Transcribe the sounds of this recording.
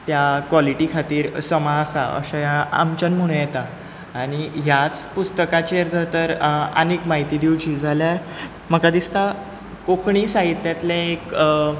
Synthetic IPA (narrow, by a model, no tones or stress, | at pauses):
t̪jakʋɔliʈiːkʰat̪iːɾsəmaːsaə̰ɕajaa̰mt͡ɕənməɽ̃ũjɛt̪aː | ɽ̃iɦjat͡spust̪əkat͡ɕeɾd͡zət̪əɾə̰nekmaɦit̪id̪iwd͡ʑiːd͡zaljaɾ | m̤əkad̪ist̪a | kokɳ̃iːsaɦit̪ljat̪ljaek